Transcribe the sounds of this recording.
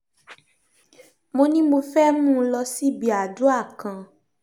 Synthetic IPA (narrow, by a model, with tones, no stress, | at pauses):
mo˧nĩ˦mo˧fɛ˦mũ˦˨˧lɔ˧si˦˨bi˧a˨du˨˦a˦˨kã˧